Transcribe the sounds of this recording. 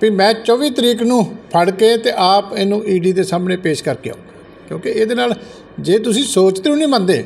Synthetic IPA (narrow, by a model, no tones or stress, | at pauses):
piːmɛ̃ːt͡ʃɔːʋiːt̪əɾiːknũːpʰəɽkeːt̪eːʔaːpenũːʔiːɖiːd̪eːsaːmnẽːpeːʃkəɾkeːa̰oːɡa | kjõːkeeːd̪eːnaːl | d͡ʒeːt̪̬ʊsĩːsoːt͡ʃt̪eːũːnĩːmə̃nd̪eː